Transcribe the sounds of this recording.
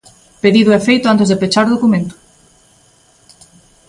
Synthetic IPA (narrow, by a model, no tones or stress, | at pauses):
peðiðuefejt̪oant̪ezðepet͡ʃaɾoð̞okumẽnt̪u̥